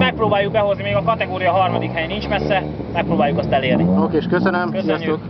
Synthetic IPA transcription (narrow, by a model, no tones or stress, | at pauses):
mɛk̚proːbaːjuɡ̚bɛɦo̞znimeːɡɒkɒt̪ɛɡoːɾijɒɦɒrmɒd̪ikhɛjnint͡ʃmɛsːɛ | mɛkproːbaːjukɛst̪ɛleːrniokeːʃkøsønømsijɒst̪ok